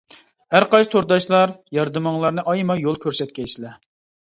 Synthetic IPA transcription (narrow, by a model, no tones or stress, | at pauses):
hæɾqɑjst̪ʰoɾd̪ɑʃlˠɑɾjɑɾd̪ɨmɑŋlˠɑɾnɨʔɑjmɑjolˠkʲøɾsɛt̪̚kʲɛjslɛ